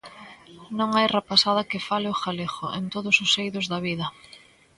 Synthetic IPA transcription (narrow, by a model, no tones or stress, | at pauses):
nõŋajrepasað̞ɐkɪfalɪʊxalexʊ̰ʔent̪oðʊsʊsejðʊzðɐβiðɐ